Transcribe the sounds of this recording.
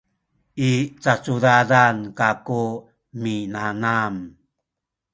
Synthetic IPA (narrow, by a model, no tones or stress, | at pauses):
it͡sat͡suɾaɾankaku | minanam